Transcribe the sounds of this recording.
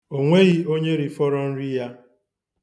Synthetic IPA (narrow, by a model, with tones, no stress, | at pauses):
o˨ŋʷe˦ɣi˦o˦ɲe˦ɾi˨fɔ˦ɾɔ˦n̩˦ɾi˦ja˦